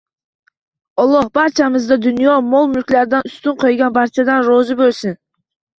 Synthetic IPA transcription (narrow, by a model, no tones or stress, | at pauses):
olˠobɑɾt͡ʃɑmɨzd̪ɑd̪ynijomolˠmylkʲlʲæɾd̪ɑnyst̪yɴqʰojɡɑnbɑɾt͡ʃad̪ɑnɾozubølsyn